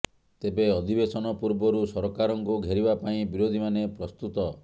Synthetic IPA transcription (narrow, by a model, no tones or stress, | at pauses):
t̪ebeɔd̪ʱibesɔnɔpuɾbɔɾusɔɾɔkaɾɔŋkuɡʱeɾibapaĩbiɾod̪ʱimanepɾɔst̪ut̪ɔ